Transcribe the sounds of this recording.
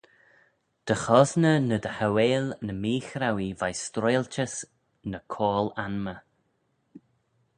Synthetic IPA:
d̪̥əxɔznənəd̪əhaweːlnəmiːxɾawivajstɾɔjlt͡ʃəs | nəkʰoːlanmə

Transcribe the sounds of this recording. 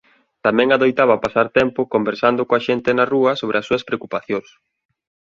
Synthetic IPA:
t̪amɛ̃ŋaðojt̪aβɐpasaɾt̪ɛmpʊkombeɾsand̪ʊkoaʃent̪ɪnɐruɐsoβɾeɐsːuɐspɾeokupaθjoŋs

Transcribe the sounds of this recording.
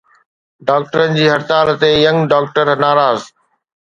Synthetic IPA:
ɖaːk̚ʈəɾənɪ̆d͡ʑiːɦɐɾt̪aːɾt̪ejɐ̃ŋɖaːkʈəɾnaːɾaːz

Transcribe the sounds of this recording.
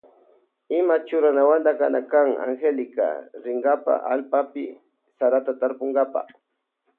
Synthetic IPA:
ɪmat͡ʃʊɾanawand̪akanakaŋa̰ŋxelɪka̰ɾɪŋɡapa̰ʔalpapɪ | saɾat̪at̪aɾpoŋɡapa̰

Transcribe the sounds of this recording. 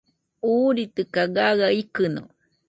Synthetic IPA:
uːɾit̪ɨkaɡaɣaikɨno̰

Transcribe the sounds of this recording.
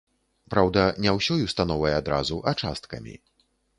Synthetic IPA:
pɾawd̪ɐnʲɛwsʲɔjust̪anɔvɐjɛad̪ɾazuʔɐt͡ʂa̰st̪kɐ̰mʲḭ

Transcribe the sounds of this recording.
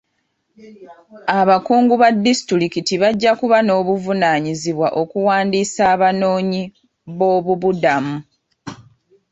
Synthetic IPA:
aβakuːŋɡuβadːistɾiɾikitiβaɟːakuβano̞ːβuvunaɲiziβwaʔo̞kuwaːndisaːβano̞ːɲi | βo̞ːβuβudamu

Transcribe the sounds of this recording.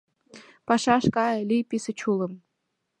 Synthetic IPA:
pɑʃɑʃkɑjlʲijpisə̆t͡ɕulɤ̆m

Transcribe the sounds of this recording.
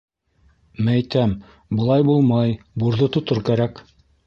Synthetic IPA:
mææjt̪æm | bɤ̆lˠɑjbulˠmɑj | buɾðɤt̪ŏt̪ɤɾkæɾæk

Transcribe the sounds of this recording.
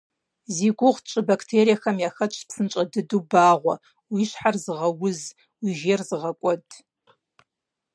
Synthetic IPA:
ziɡʷʊʁtt͡ʃʼɨbakʰʼtʰeːɾijaxɐmjaxɐt͡ʃʷʼʰpsɨnt͡ʃʷʼɐdɨdubaːʁʷɐ̰ | wiʃħarzɨʁɐwʊz | wiʒeːrzɨʁɐkʷʼɔdʰʼ

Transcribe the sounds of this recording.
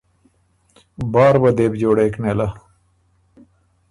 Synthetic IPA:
baːɾbɐd̪eːbd͡ʑoːɽeːknelɐ

